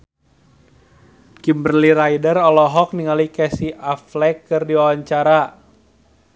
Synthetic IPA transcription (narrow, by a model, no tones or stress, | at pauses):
kimbərliɾaidərɔlɔɦɔk̚niŋalikɛsiʔaflɛkːɨrdiwawaɲt͡ʃaɾa